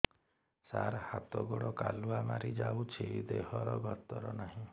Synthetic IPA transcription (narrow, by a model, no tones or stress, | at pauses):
saɾhat̪ɔɡɔɽɔkaluamaɾid͡ʒawt͡ʃʰid̪eɦɔɾɔɡɔt̪ɔɾɔnaɦĩ